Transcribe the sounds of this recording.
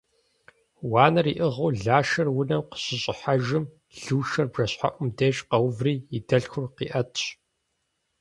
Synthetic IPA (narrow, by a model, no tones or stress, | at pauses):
waːnɐriːʔɨʁuːɮaːʃɐrwʊnɐmqə̥ɕɪɕʼɪħaʒɨm | ɮuːʃɐrbʒɐɕħa̰ʔʷʊmdeːɕʼqɐwvriːidɐɬxʷʊrqḭːʔɐtʰɕ